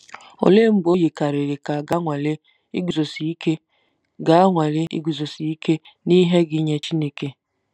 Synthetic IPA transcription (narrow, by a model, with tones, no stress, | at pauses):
o̰˨le˦m̩˦ɡ͡bo˦ji˨ka˨ɾe˨ɾe˨ka˨ɡa˦ŋʷa˨le˦ | i˦ɡu˨zo˨si˨i˦ke˦ | ɡa˨a˦ŋʷa˨le˦ʔḭ˦ɡu˨zo˨si˨i˦ke˦ | ni˦ɦe˦ɡɪ˦ɲe˦t͡ʃi˦ne˦ke˦